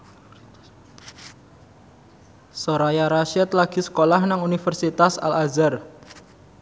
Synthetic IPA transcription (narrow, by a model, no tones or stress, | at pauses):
soɾajaɾaʃɛt̪laɡ̥i̤sə̥kolahnaŋunifərsit̪asa̰lazar